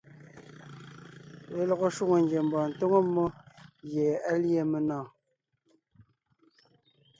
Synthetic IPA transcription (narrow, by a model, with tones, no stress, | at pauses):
βe˨lɔ˨ɣo˨ʃwu˦ŋo˨ŋɡe˨m̩˨bɔ˨n̩˨to˦ŋo˦mːo˦ɣje˨a˦lje˦˨me˨nɔ̃ː˦˨